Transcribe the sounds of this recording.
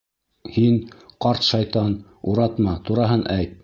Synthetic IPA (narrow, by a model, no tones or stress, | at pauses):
hinqɑɾt̪ʃɑjt̪ɑn | uɾɑt̪mɑt̪uɾɑɦɤnʔæjt̪̚